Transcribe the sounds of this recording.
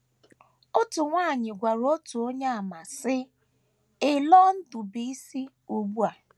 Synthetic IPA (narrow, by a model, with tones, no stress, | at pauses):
o˦tʊ˨ŋʷaː˦˨ɲɪ˨ɡʷa˨ɾo˦tu˨o˦ɲa˦a˨ma˨sɪ˦ | ɪ˦lɔ˦n̩˦dʊ˨bi˨˦i˦si˦ | u˨ɡ͡bu˦a˨